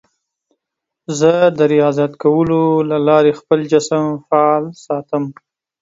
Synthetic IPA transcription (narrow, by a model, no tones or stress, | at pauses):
zəd̪əɾijɑzat̪kawəlolalɑɾexpəld͡ʒasəmfaɑlsɑt̪əm